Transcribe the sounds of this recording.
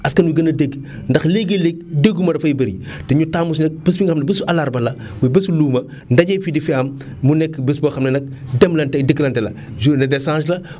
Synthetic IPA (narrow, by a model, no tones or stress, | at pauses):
ɐskɐnwiɡɐnɐdeɡ | ndɐxleɡelek̚deɡumɐdɐfɐibɐɾḭtɛɲutaːmus̬nɛk̚bɐs̬biŋɡɐxɐmnɐbɐsuɐlaɾbɐlɐ | wibɐsuluːmɐ | ndɐɟɛfidifiɐmː | unɛkːbəsbɐxɐmnɐnɐk̚dɛmlɐntɛdəɡlɐntɛlɐ̰ | d͡ʒunɐdɛsãːslɐ